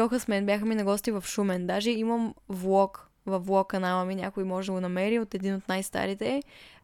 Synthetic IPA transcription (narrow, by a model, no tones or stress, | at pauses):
ɔxəsmɛnbʲjaxəminɐɡɔst̪ivɐfʃumɛnd̪aʒɛimɐmvlˠɔk | vɐfvlˠɔkːɐnalˠɐminʲja̰koimɔʒɛd̪ɐɡonɐmɛɾiot̪ɛd̪inot̪najst̪a̰ɾit̪ɛ